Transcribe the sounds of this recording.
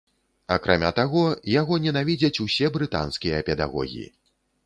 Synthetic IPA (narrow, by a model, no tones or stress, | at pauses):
akɾʔa̰mʲa̰t̪aɣɔjaɣɔnʲɛnavʲid͡zʲɐt͡sʲusʲɛbɾɨt̪a̰nskʲijɐpʲɛd̪a̰ɣɔ̰ɣʲḭḭ